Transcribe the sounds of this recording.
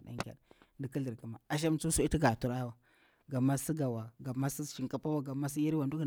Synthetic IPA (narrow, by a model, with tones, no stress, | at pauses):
ɗa̰˦ŋkʲa̰˨ɗndi˨ki˦ɮi˨ɾka˨ma˨a˨ʃ̬a˦m˨t͡su˦su˦i˦i˦ɡa˨tu˨ɾa˦wa˨ | ɡa˨mːa˦si˦ɡa˨wa˨ɡa˨ma˦si˦ʃi˨ŋka˦pa˦wa˦ɡa˨ma˦s̬i˦ja˦ɾi˦wa˨ndu˦˨